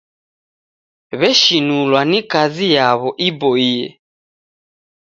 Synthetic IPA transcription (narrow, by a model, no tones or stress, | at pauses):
βɛʃinulwanikazijaβɔʔibɔiɛ̰